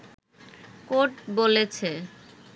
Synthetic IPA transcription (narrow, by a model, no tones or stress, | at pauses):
koʈbolet͡ɕʰe